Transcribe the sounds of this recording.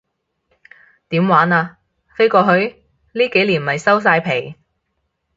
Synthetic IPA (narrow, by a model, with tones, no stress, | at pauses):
t̪iː˨˥mwaː˨˥naː˧ | fe˥jkɔː˧ɦɵ˧ɥ | liː˥ke˨˥jliː˨˩nmɐ˨jsɐ˥ws̬aː˧jpʰe˨˩j